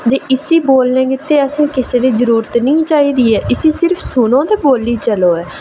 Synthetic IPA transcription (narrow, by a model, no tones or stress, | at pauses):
d̪eːʔɪsiːboːlnẽːkɪt̪ːeːəsẽːkɪseːd̪iːzəɾuːɾət̪nĩːt͡ʃaːiːd̪iːɛːʔɪsiːsɪɾpʰsʊnõːt̪eːboːliːt͡ʃəloːɛː